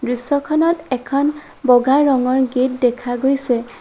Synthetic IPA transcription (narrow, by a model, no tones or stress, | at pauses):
dɹisɔkʰɔnɔtɛkʰɔn | bɔɡaɹɔŋɔɹɡet̚dɛkʰaɡojsɛ